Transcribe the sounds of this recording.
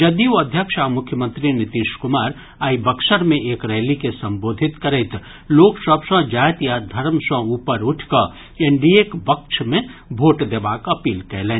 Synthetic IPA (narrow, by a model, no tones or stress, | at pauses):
d͡ʒɐd̪iɐd̪ʱjəkʃamʊkʰjəmə̃nt̪ɾinɪt̪iːʃkʊmaːɾ | aːibɐkʃəɾmẽʔeːkɾɛːlikesɐ̃mboːd̪ʱɪt̪kɐɾeːt̪ | loːkʃəbsə̃d͡ʒaːjt̪jad̪ʱɐɾmsə̃uːpəɾʊʈʰkɐ | ẽɳɖiekbɐkʃmẽbʱoːʈd̪ebaːkɐpiːlkɛːlẽː